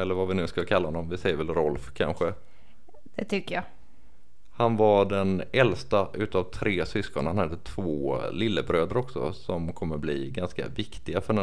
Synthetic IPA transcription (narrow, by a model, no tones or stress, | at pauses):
ɛlːəɾvavɪnʉ̟ːskakʰalːahɔnːɔmvɪsɛjəɾvɛlɾɔlfkʰa̰nɧə | d̪̥ɛt̪ʰʏkːəja | hanvaɖɛnɛlst̪aʔʉ̟ːt̪avt̪ʰɾeːsʏskɔnhanhad̪ːət̪ʰv̥oːlɪlːəbɾøːd̪ɾɔksɔ̰sɔmkʰɔmːəblḭɡanska̰vɪkt̪ɪɡafœɖɛ